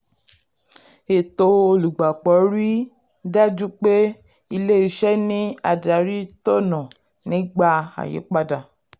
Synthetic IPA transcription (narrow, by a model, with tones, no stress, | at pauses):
e˨to˧o˧lu˨ɡ͡ba˨k͡pɔ˨˦ɾi˦ | dɛ˦d͡ʒu˦k͡pe˦ | i˧le˦i˧˦ʃɛ˦nĩ˦a˧˨da˨˦ɾi˦to˦˨nã˨ | nĩ˨˦ɡ͡ba˧a̰˨jḛ˨˦k͡pa˦da˨